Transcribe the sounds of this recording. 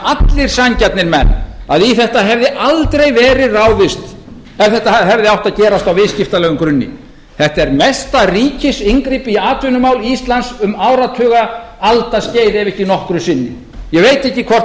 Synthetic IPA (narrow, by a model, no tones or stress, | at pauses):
at̪lɪɾ̥saɲcat̪nɪɾmɛ̰nːaðiθɛht̪aɦɛvðɪʔalt̪ɾejvɛːɾɪraːwvɪst̪ | ɛv̥θɛht̪aɦɛvðɪawht̪aðcɛːɾast̪awvɪðscɪft̪alɛːɣʏmkɾʏnːɪ̰ | θɛht̪aɛɾmɛst̪ariːcɪsiŋkɾipiaːt̪ʰvʏnʏmaːwlist̪lansʏmaːwɾat̪ʰœːɣa | alt̪asceːjðɛvɛhcɪnɔhkɾʏsɪnːɪ̰ | jɛɣvejt̪ɛhcːɪkʰvɔrt